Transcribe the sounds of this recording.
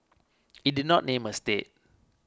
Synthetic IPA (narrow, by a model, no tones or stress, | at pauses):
idinɔʔ̚nẽməstet̚